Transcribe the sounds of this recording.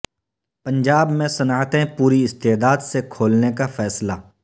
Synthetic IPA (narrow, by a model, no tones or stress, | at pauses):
pə̃nd͡ʒaːbmẽsɐnaːt̪ẽpuːɾiɪst̪eːd̪aːd̪sekʰoːlnekafɛːslaː